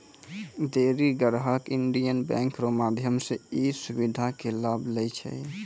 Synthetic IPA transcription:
d̪eɾiɡəɾɦəkiɳɖijənbɛ̰̃ŋkɾomad̪ʱjəmseisubid̪ʱakelablɛt͡ʃʰɛ̰

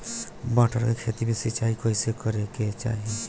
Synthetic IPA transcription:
baːʈʰəɾkekʰeːt̪imẽsɪt͡ʃaːikoːisekəɾeket͡ʃa̰ːɦie

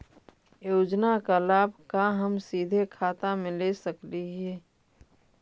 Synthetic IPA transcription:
joːd͡ʒnakalaːbʱkaɦəmsiːd̪ʱekʰaːt̪amẽlesəkliɦɛː

